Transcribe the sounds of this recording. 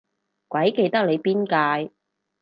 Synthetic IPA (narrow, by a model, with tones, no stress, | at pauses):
kʷɐ˨˥jke˧jt̪ɐ˥k̚le˨˧jpiː˥nkaː˧j